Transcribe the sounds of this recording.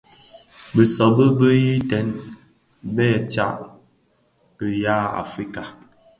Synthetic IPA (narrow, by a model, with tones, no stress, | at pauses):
bə˨sɔ˨bə˦bə˦ji˦tɛ˨˦n | bɛ˦˨t͡ʃa̰˦˨ʔ | ə˨ja˦a̰˨fɾi˦ka˨